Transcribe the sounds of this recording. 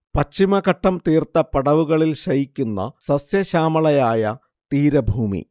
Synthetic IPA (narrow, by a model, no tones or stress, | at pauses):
pɐt͡ɕt͡ɕːimɐkɐʈːɐmt̪iːrt̪ɐpɐɽɐʋuɣɐɭilɕɐjikʲːunːɐ̰sɐsjɐɕaːmɐɭɐjaːjɐ | t̪iːɾɐbʱuːmḭ